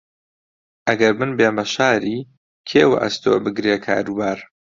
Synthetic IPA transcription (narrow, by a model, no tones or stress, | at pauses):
ʔɐɡɐɾmɨnbeːmɐʃaːɾiː | kʰeːwɐ̰ʔɐ̰st̪o̰ːbɨɡɾeːkʰa̰ːɾuːbaːɾ